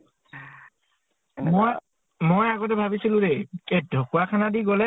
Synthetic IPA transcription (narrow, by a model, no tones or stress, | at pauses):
m | mojaɡɔtɛbʱabisilʊ̃ɾɛkɛdʱokuakʰanadiɡɔlɛ